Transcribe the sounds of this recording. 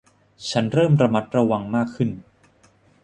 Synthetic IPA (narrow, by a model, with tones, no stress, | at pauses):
t͡ɕʰa˦˥nɾɤː˥˩mɾa˧ma˦˥t̪̚ɾa˧wa˧ŋmaː˥˩kʰːɯ˥˩n